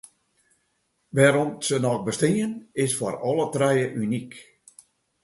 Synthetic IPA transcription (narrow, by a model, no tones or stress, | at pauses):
ʋɛːɾɔmsənɔxbəstiənɪsfɔrɔlˠətrɛjəʔynik